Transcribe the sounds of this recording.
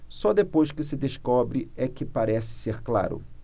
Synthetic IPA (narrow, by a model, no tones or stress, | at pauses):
sɔd̪epojʃkɪsɪd̪eʃkɔbɾɪɛkɪpaɾɛsɪ̥seɾkla̰ɾʊ̰